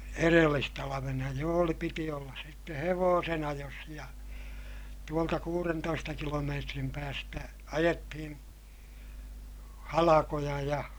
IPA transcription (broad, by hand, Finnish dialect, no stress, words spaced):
erelːistɑlɑʋenɑ jo oli piti olːɑs sitːe heʋoːsen ɑjos jɑ tuoltɑ kuːrentoistɑ kilomeːtrim pæːstæ ɑjetːihin hɑlɑkojɑ jɑ